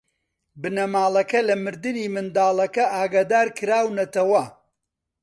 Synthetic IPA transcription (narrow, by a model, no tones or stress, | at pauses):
bɨnɐmaːlˠɐkɐlɐmɨɾd̪ɨniːmɨnd̪aːlˠɐkɐʔaːɡaːd̪aːɾkʰɨɾaːwnɐt̪ɐwɐ